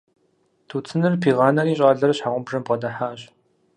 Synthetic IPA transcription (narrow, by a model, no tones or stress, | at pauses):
tʰut͡sʰɨnɨrpʰiːʁaːnɐɾiːɕ̬ʼaːrɮɐrɕħaʁʷʊmprɨmpʁɐdaħaːɕ